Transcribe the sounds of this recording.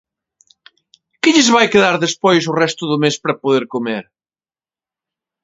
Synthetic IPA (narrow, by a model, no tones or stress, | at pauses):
kɪʎɪzβajkeðaɾðespojs̬ʊrɛst̪ʊðʊmespɾɐpoðeɾkʊmeɾ